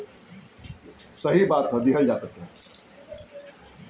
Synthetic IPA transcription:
səɦibat̪ɦəd̪iɦəld͡ʒat̪ət̪ːẽ

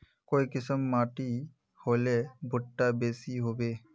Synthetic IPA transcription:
kojkisɔmːaʈi | hojlebʱuʈːabesiɦobe

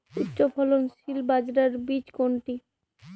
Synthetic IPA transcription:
ut̪ːɕopʰɔlonʃilbad͡ʑɾaɾbit͡ɕkoɳʈi

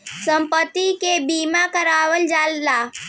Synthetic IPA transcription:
səmpət̪ːikebiːmakəɾaːʋəld͡ʒaːllaː

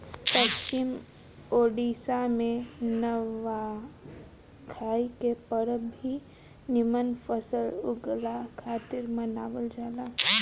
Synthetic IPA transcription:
pəst͡ʃɪm | oːɖiːsamẽnəʋa | kʰaːikepəɾəbʱi | nɪmənpʰəsəlʊ̰ɡlakʰaːt̪ɪɾmənaːʋəld͡ʒaːlaː

